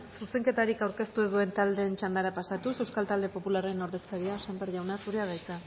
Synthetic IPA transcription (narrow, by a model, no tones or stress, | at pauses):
suse̞ŋke̞t̪aɾikawɾke̞st̪uðue̞nt̪ald̪e̞ːnt͡ʃand̪aɾapasat̪use̞wskalt̪ald̪e̞po̞pulaɾe̞no̞ɾðe̞skaɾiasambeɾʝawnasuɾeað̞ajt̪a